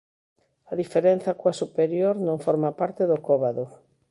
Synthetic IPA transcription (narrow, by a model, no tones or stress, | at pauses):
ɐðifeɾen̟θɐkoasupeɾjoɾnõŋfɔɾmapaɾt̪eðʊkoβaðʊ